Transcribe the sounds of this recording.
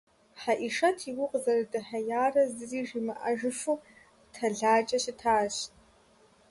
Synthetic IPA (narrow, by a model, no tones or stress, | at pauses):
ħaʔiʂɐtʰiwʊqʼzɐrɨdɨħɐjaːrɐzɨziːʒimɨʔɐʒɨfuː | tʰɐɮaːt͡ʃʼɐɕɪtʰaːɕt